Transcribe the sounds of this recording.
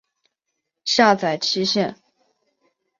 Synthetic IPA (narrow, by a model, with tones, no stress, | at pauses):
ɕa˥˩t͡sa˨˩ɪʈ͡ʂʰi˥ɕɛ˥˩n